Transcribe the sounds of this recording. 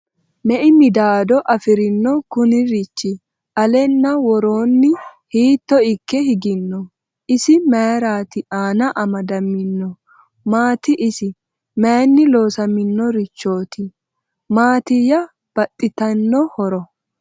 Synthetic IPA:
nɛʔɪmɪd̪aːd̪ɔʔɐfɪɾɪnːɔkʊnɪɾɪt͡ʃːɪ | ɐlɛnːɐwɔɾoːnːɪhiːt̪ːɔɪkːɛhɪɡɪnːɔ | ʔɪsɪmejɾaːt̪ɪʔaːnɐʔɐmɐd̪ɐmːɪnːɔ | maːt̪ɪʔɪsɪ | menːɪlo̞ːsɐmɪnːɔɾɪt͡ʃːo̞ːt̪ɪ | maːt̪ɪjɐ | b̥ɐt̪ʼːɪt̪ɐnːɔhɔɾɔ

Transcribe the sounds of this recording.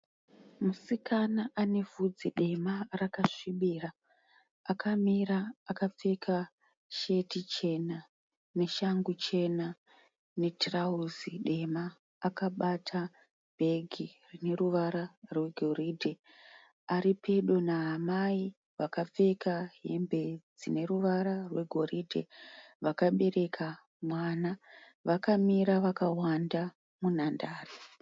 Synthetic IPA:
musikanaʔane̞vʱud͡ziɗe̞marakaʂiɓiraː | kʰamiɾaakap͡fe̞kʰa | ʃe̞tit͡ʃe̞na | ne̞ʃaŋɡut͡ʃe̞na | ne̞trauziɗe̞maː | kaɓatʰa | bʱe̞ɡʱirine̞ruʋaɾarwe̞ɡʱo̞ridʱe̞ | aɾipʰe̞ɗo̞naɦamai | ʋakap͡fe̞kaɦembe̞d͡zine̞ɾuʋaɾarwe̞ɡʱo̞riːdʱḛʋakaɓe̞ɾe̞kʰa | mwana | ʋakamiɾaʋakawanda | munandaːri

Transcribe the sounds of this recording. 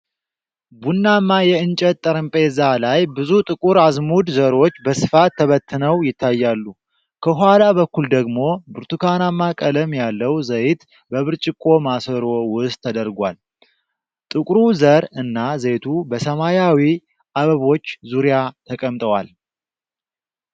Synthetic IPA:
bunːamːajɛɨnt͡ʃʼət̪ʼːəɾəmpʼezalajbɨzut̪ʼɨkʼuɾazmud̪zəɾo̞t͡ʃːbəsɨfat̪ʰːəβət̪ʰːɨnəwjɪt̪ʰːajːalːu | kʰəɦalaβəkːuld̪əɡmo̞bɨɾt̪ʰukʰanamːakʼələmjalːəwzəjɪt̪ | bəβɨɾt͡ʃʼɪkʼːo̞masəɾo̞wʊst̪ʰːəd̪əɾɡʷa̰l | t̪ʼɨkʼɾuzəɾɨnːaze̞t̪ʰubəsəmajawi | ʔaβəβo̞t͡ʃːzuɾijat̪ʰəkʼəmt̪ʼəwal

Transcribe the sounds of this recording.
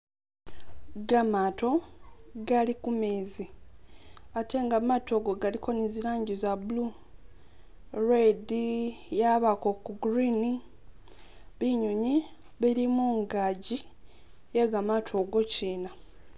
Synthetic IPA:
ɡamaːto̞ɡalikumeːzi | atʰe̞ŋɡamatʰo̞ɡo̞ɡalikʰo̞niziɾaːɲɟizabulu | redijaβako̞kuɡɾini | βiɲuɲi | βiɾimuŋɡaɟi | jeɡamatʰo̞ːɡo̞ciːna

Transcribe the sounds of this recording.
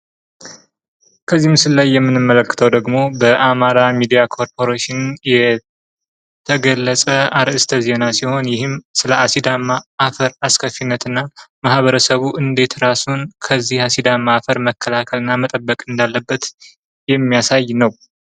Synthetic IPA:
kʰəzːihmsɨlːajːɛmːɨnɨmːələkːɨ̥t̪ʰəwd̪əɡmo̞bəʔamaɾamid̪ijakʰo̞ɾpʰo̞ɾeʃɪnjɛ | t̪ʰəɡəlːəsʼəaɾʔɨst̪ʰəze̞nasiho̞njɪhɨmsɨləʔasid̪amaːfəɾaskʰəfːinːət̪ɨnːamahβəɾəsəβuʔɨnd̪e̞t̪ɾasunkʰəzːihasid̪amaːfəɾməkʰːəlakʰəlɨnːamət̪ʼəbːəkʼɨnd̪alːəbːət̪ | jɛmːijasajnəw

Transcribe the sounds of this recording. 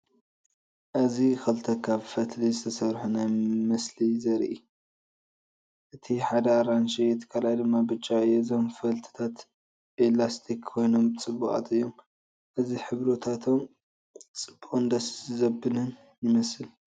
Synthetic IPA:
ʔɨzixɐlt̪ʰɐkʰaβfɐt̪lizɨt̪ʰɐsɐɾħunajmɐslizɐɾʔi | ʔɨt̪ʰiħad̪ɐaɾanʃijɛt̪ʰkʰalajd̪ɨmːabɨt͡ʃʼːaɨjːɛzo̞mfɐlt̪ʰɨ̥t̪ʰat̪ | ʔelast̪ʰikʰːo̞jno̞mt͡sʼɨbːuʔʼa̰t̪ʰɨjːo̞m | ʔɨziħɨβɾot̪ʰat̪ʰo̞m | t͡sʼɨbuʔʼund̪ɐszɐbɨnɨn | jɪmɐsɨl

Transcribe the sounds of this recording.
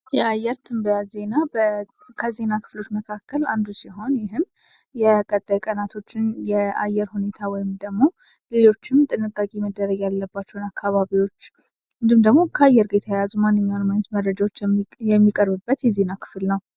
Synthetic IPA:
jɛajːɛɾt̪ʰɨmbəjaze̞nabə | kʰəze̞nakʰɨ̥flo̞t͡ʃːməkʰakːəland̪usiɦo̞njɪɦɨm | jɛkʼət̪ʼːajkʼənat̪ʰo̞t͡ʃːɪnjɛajːɛɾhune̞t̪ʰawɔjɪmd̪əɡmo | le̞lo̞t͡ʃːɪmt̪ʼɨnɨkʼːakʼeməd̪ːəɾəɡjalːəbːat͡ʃːɛhnakʰːaβaβiwo̞t͡ʃː | ɨnd̪ɨmd̪əɡmo̞kʰəajːɛɾɡe̞t̪ʰajajazumanːɨɲːawnəmaɲːɛt̪məɾɾəd͡ʒawot͡ʃːjɛmːikʼəɾbɨbːət̪jɛze̞nakʰɨ̥flnəw

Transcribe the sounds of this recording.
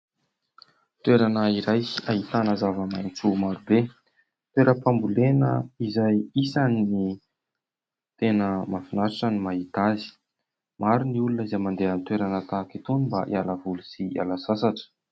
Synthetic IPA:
t̪weɾanəiɾajsiaɦit̪anəzavəmajnt͡sumaɾube | t̪weɾəpambulenə̰izajisanini | t̪enəmafinaɾaʈ͡ʂənimaɦit̪azi̥ | maɾuniulunəizajmand̪eanit̪weɾanət̪akit̪unimbaʔḭalavulusia̰lasasaʈ͡ʂə̥

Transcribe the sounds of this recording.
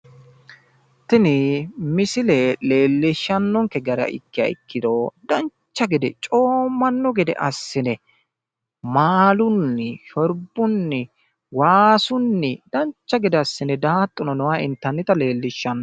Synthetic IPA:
t̪ɪnɪmɪsɪlɛle̞ːlːɪʃːɐnːɔŋkɛɡɐɾɐ̰ʔɪ̰kːɪɐ̰ɪ̰kːɪd̪od̪ɐnt͡ʃːɐɡɛd̪ɛt͡ʃʼoːmːɐnːɔɡɛd̪ɛ̰ʔɐsːɪnɛ | maːlʊnːɪʃɔɾbʊnːɪ | waːsʊnːɪd̪̥ɐnt͡ʃːɐɡɛd̪ɛɐsːɪnɛd̪aːt̪ʼːʊnɔnɔwaːɪ̰nt̪ːɐnːɪt̪ɐle̞ːlːɪʃːɐnːɔ

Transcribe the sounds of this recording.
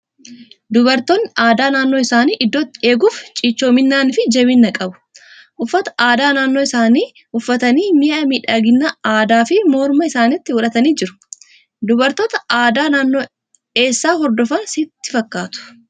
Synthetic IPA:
d̪ʊbɐɾt̪onːɪʔaːd̪aːnaːnːo̞ːɪsaːniːʔɪd̪ːo̞ːt̪ːɪe̞ːɡuːft͡ʃʼiːt͡ʃːo̞ːmɪnːaːnfɪd͡ʒɛβɪnːɐkʼɐbʊ̥ | ʔʊfːɐt̪ɐ̥aːd̪aːnaːnːo̞ːɪsaːniː | ʊfːɐt̪ɐniːmɪʔɐmiːᶑaːɡɪnːaaːd̪aːfɪmoːɾmɐɪsaːnɪt̪ːɪʊᶑɐt̪ɐniːd͡ʒɪɾʊ̥ | d̪ʊbɐɾt̪ɔt̪ɐaːd̪aːnaːnːo̞ː | e̞ːsːaːɦɔɾd̪ɔfɐnsɪt̪ːɪfɐkːaːt̪ʊ̥

